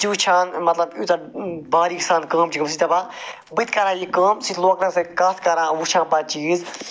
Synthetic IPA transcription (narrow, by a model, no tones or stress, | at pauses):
t͡ʃit͡ʃʰãːnmɐt̪lɐbut̪abaːɾiksaːnkɐːmt͡ʃikms̬it̪ʰɐba | bɨt̪kɐɾãːjikɐːmsit̪ʰloːknɐ̃sɐkaːt̪ʰkɐɾãːʋut͡ʃʰãːpat͡ʃiːz